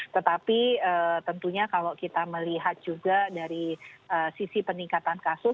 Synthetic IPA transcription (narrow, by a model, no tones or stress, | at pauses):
t̪ət̪apiət̪ənt̪uɲakalokit̪aməliɦat̪̚d͡ʒuɡadaɾiəːsisipəniŋkat̪ankasʊ